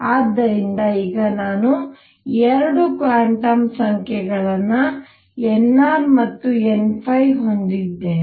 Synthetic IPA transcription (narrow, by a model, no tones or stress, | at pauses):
aːd̪ːɐɾind̪ɐiːɡɐnaːnu | ɛɾɐɽukʋaːɳʈɐmsɐŋkʰɛɡɐɭɐnːɐ | ɛnːaːɾmɐt̪ːuenpʰɐjɦo̞nd̪id̪ːeː